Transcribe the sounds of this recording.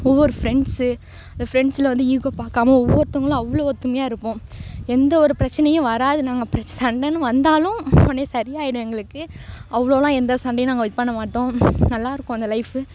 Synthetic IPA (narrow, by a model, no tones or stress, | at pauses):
ɔʋːɔɾɯfɪɾɛɳɖsɯ | ɐnd̪ɐfɪɾɛɳɖsɪlɐʋɐnd̪ɯiːkoːpaːɾkaːmɐɔʋːɔɾɯt̪ʊŋɡɐɭʊ̃ɐʋːɭoɔɾt̪ʊmɪjaːɪɾɯpːõːɛnd̪ɐɔɾɯpɪɾɐt͡ʃːɐnɐjʊ̃ʋɐɾaːðɯnaːŋɡɐpɪɾɐsɐɳɖɐnːɯʋɐnd̪aːlʊ̃ɔnːesɐɾɪjaːjɪɽɯ̃ɛŋɡɐɭɯkːɯɐʋːɐɭoːlãːɛnd̪ɐsɐɳɖɐjʊ̃naːŋɡɐʋɐɪt̪̚pɐɳːɐmaːʈːõːnɐlːaːɪɾɯkːʊ̃ɐnd̪ɐlɐɪfɯ